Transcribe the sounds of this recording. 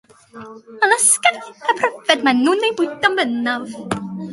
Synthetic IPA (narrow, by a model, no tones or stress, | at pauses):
ənəskɛnəpʰrɛvɛdmanːuːnejbʊɨdɔmbənɔv